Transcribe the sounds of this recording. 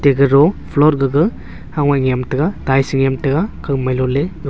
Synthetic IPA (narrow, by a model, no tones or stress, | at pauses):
teɡɯɾɔpʰlɔɾɡɯɡɯ | haŋwajŋjamtɐɡadajsiŋjamtɐɡakʰawmajlɔleɡ